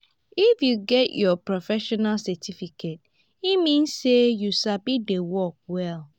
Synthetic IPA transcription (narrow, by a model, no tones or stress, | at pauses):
ifjuɡɛtjɔpɹɔfɛʃɔnalsɛtʰifikʰet̚ | imĩnsːejuʃabidewɔk̚wɛl